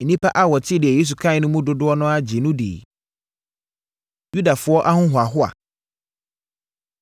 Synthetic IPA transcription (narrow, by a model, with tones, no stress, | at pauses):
e˨nĩ˦pʰa˦ʔa˦wɔ˨tʰɪ˦dɪ˨ɛ˨je˦s̬u˨kʰã˦ɪ˨nʊ̃˦mũ˦dʊ˦dʊ˦ɔ˦nʊ̃˦a˦d͡ʑɪ˨nʊ̃˦dḛː˨i˨ | ju˦da˨fʊ˨˦ɔ˦ʔa˦hʊ̃˦ɦʊ˨a˨ɦʊ˦a̰˨